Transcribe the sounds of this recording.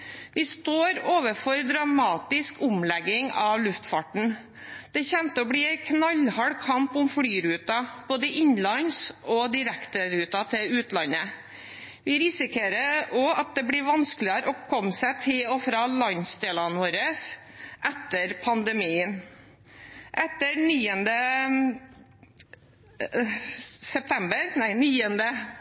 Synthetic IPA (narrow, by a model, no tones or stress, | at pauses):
ʋɪst̪oːɾoːʋəfɔɾd̪ɾɑmɑːt̪ɪskʰʊmlɛɡɪŋɑʋlʉft̪fɑʈɳ̩ | d̪̥ɛçɛmt̪əɔbɽiːæɪkʰnɑlhɑɽkʰɑmpʊmfɽyːɾʉːt̪ɑb̥oːd̪əʔɪɲlɑnsɔd̪ɪɾækt̪əɾʉːt̪ɑt̪ʰɪlʉːt̪lɑnə | ʋɪɾɪsɪkʰeːɾəɔɑt̪̚d̪ɛbɽɪɾʋɑnsklɪəɾʔɔpkʰɔmːsæt̪ʰɪɔfɾɑːlɑnsd̪eːlɑnʋoːɾəs | ʔɛt̪ːəɾpʰɑnd̪əmiːən | ʔɛt̪ːəniːənd̪ə | sɛp̚t̪ʰɛmbəɾnæɪniːənd̪ə